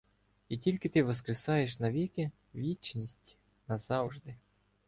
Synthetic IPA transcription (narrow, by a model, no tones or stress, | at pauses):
itʲilʲkɪt̪ɪʋɔskɾɪsɑjeʃnɐʋʲikʲɪ | ʋʲit͡ʃnʲisʲtʲ | nɐz̥ɑwʒd̪ɪ